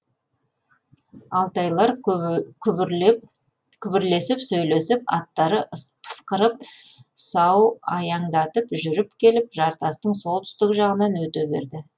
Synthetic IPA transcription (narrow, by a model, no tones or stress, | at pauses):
ɑlˠt̪ɑjlˠɑɾkʲʰʏ | kʲʰʏbɪɾle̞sɪpsɵjle̞sɪpɑ̰t̪ːɑɾəpʰə̥sqəɾəp̚ | sɑwɑjɑɴd̪ɑt̪əpʒʏɾɪpkʲʰe̞lɪp̚ʒɑɾt̪ɑst̪əɴso̞lˠt̪ʰʏ̥st̪ɪkɪʒɑʁənɑnwɵt̪ebe̞̰ɾd̪ɪ